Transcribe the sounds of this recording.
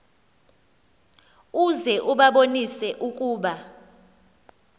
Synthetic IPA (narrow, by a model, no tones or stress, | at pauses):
uzɛʔuɓaɓonisɛʔukʼuːɓa